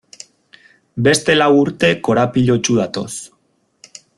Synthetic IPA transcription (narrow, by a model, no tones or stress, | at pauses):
be̞st̪e̞lawuɾt̪e̞ko̞ɾapiʎo̞t͡ʃuð̞at̪o̞s